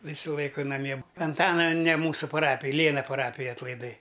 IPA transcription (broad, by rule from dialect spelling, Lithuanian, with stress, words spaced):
ˈʋʲiːsʊ ˈlˠɐɪkʊ nɐˈmʲiɛ ɐnˈtɑːnɐ nʲɛ ˈmuːsʊ pɐˈrɑːpʲɪj ˈlʲeːnɐ pɐˈrɑːpʲɪj ɐtlˠɐɪˈdɐɪ